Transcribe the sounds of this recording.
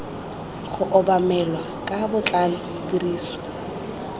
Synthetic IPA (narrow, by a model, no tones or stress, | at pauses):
χʊʔɔbamɛlwa | kʼabʊt͡ɬʼalʊ | tiriːsɔ̥